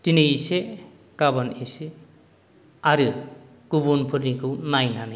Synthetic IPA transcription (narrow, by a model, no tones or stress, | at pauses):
t̪inise | kabɔnise | aɾɯ | kubonpʰɯɾnikɯwnajnanɯ